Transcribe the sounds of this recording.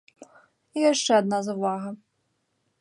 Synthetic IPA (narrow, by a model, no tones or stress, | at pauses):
ijaʂt͡ʂɛɐd̪nazɐvaɣɐ